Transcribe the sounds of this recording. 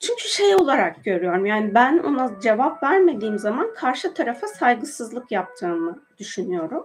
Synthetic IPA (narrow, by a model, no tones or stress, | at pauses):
t͡ʃʰyɲcʰyʃe̞jo̞lˠaɾak̚ɟø̞ɾyjo̞ɾumjaːnibæno̞̰nad͡ʒe̞vapvæɾme̞d̪iːmzamankʰaɾʃɯt̪ʰaɾafasajɡɯsɯzlˠɯkjap̚t̪ʰɯːmɯd̪̥yʃynyjo̞ɾum